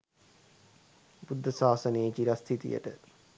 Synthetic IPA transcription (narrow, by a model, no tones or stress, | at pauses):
bud̪ʱːəsaːsɐneːt͡ʃiɾast̪ʰit̪ḭjə̰ʈə̰